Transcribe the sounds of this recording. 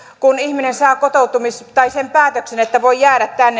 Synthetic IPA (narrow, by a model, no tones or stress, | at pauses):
kunihminensɑːkot̪out̪umist̪ɑisempæːt̪øksenet̪ːæʋoijæːɾæt̪t̪ænːe